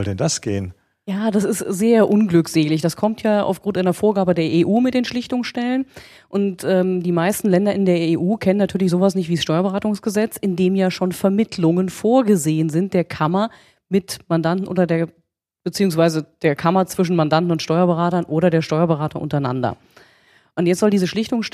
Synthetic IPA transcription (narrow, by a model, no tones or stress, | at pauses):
zɔldɛndasɡ̥ḛːən | jaːdasɪstz̥eːɐʔʊnɡlʏkz̥eːlɪçd̥askʰɔmtjaːʔa̰ʊfɡ̥ʁʊntʔaɪnɐfoːɐɡaːbədeːɐʔeːʔuːmɪt̚d̥eːnʃlɪçtʊŋsʃtɛlən | ʔʊntʔɛːmdiːmaɪstn̩lɛndɐʔɪndeːɐeːʔuːkʰɛnənːatʰyːɐlɪçz̥oːvasnɪçtv̥iːsʃtɔʏɐbəʁaːtʊŋsɡ̥əzɛt͡sɪndeːmjaːʃoːnfɛɐmɪtʰlʊŋənfoːɐɡəzeːənzɪnt̚d̥eːɐkʰamɐ | mɪtmandantn̩ʔo̰ːdɐdeːɐ | b̥ət͡siːʊŋs̬v̥aɪzəd̥eːɐkʰamɐt͡sv̥ɪʃ̬n̩mandantn̩ʊntʃtɔʏɐbəʁaːtɐnʔoːɾɐdeːɐʃtɔʏɐbəʁaːtʰəʔʊ̰ntɐaɪna̰ndɐ̰ | ʔʊntjɛt͡stz̥ɔldiːzəʃlɪçtʊŋs